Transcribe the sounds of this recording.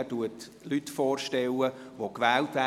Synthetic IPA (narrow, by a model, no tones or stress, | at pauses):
tuət | lytfɔːrʃtɛlːəʋokʋɛːltʋæ